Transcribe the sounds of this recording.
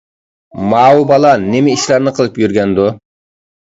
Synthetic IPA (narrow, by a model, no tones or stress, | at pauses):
mɑːubɑlˠɑnɪmɪiʃlɑɾnɨqʰəlˠɨpjyɾɡʲɛnd̪u